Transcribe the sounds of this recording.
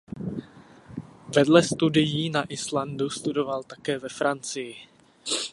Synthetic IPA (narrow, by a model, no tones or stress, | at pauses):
vɛdlɛst̪udɪjiːnaʔɪslandust̪udo̞valt̪akɛːvɛfɾant͡sɪjɪ